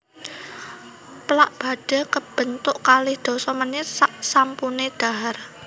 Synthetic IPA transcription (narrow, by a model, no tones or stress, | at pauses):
plaʔb̥a̤ɖ̥a̤kəb̥ənt̪ʊʔkalɪhd̪̥ɔ̤sɔmənɪt̪saʔsampuneɖ̥a̤ɦar